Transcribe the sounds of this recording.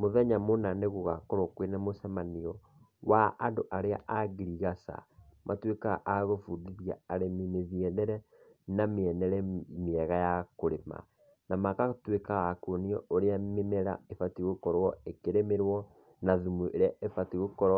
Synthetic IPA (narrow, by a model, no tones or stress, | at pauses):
moðɛɲamonaneɣoɣakɔɾokwenɛmosɛmaniɔ | waʔandoʔaɾea̰ʔaɣiɾiɣasa̰mʔatweka̰ʔaɣofudiðiaaɾemimeðiɛnɛɾɛ | nameɛnɛɾɛmiɛɣajakoɾema̰ | namakatwekaɣakoniɔoɾeamemɛɾa̰efatiɣokɔɾwɔekeɾemeɾwɔ | naðumuʔeɾeaefatiɣokɔɾɔ